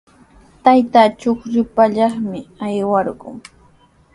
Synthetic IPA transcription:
t̪ajt̪aːt͡ʃoχɾɪpaʎɑχmɪajwɑɾɢʊ̰ŋ

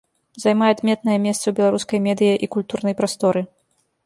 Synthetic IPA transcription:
zajmajad̪mʲɛt̪nɐjɐmʲɛst̪sɐwbʲɛlˠaɾuskɐjmʲɛd̪ɨjɐʔikulʲt̪urnɐjpɾast̪ɔɾɨ

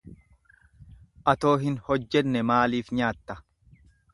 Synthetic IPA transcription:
ʔɐt̪o̞ːɦɪnhɔd͡ʒːɛnːɛmaːliːfɲaːt̪ːɐ

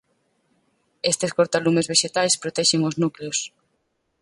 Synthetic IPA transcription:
est̪eskoɾt̪alumezβeʃet̪ajspɾot̪ɛʃeŋoznukleos

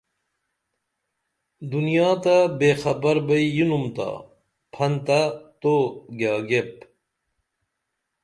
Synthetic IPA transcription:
d̪unijaːt̪ɐbeːxɐbɐɾbɐijunumt̪a̰ | pʰɐnt̪at̪oɡaːɡep

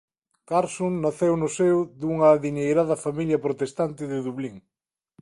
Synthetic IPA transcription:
kaɾsuŋnaθewnʊsewðuŋɐːðiɲejɾaðɐfamiljɐpɾot̪est̪ant̪ɪðɪðuβliŋ

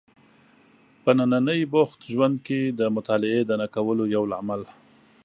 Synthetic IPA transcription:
pənananəjbʊxt̪ʒwand̪ked̪əmʊt̪ɑlɪed̪ənakawəlojawlamal

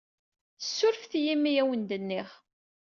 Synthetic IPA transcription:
θəsːʊɾfθjimːijæwənd̪ənːɪχ

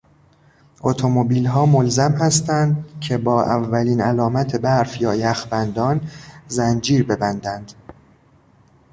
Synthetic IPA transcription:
ʔot̪ʰo̞mobiːlɦɒːmolzæmhæst̪ænd̪cʰe̞bɒːʔævːæliːnælɒːmæt̪ʰe̞bæɾfjɒːjæxbænd̪ɒːnzænd͡ʒiːɾbe̞bænd̪ænd̪̥

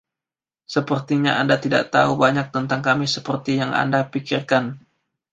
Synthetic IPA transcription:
səpərt̪iɲaʔandat̪ida̰ʔt̪aubaɲak̚t̪ənt̪aŋkamisəpərt̪ijaŋa̰ndapikirkan

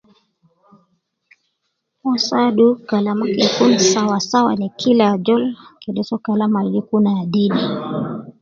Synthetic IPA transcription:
mɔsaɗukalamakikunsawasawanikʰilad͡ʒɔlkɛɗɛsɔkalamalɡikunaadini

